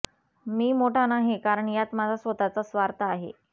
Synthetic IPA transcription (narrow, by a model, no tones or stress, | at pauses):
miːmoʈʰanaɦekaɾəɳjat̪mad͡zʱasʋət̪at͡səsʋaɾt̪əaɦḛ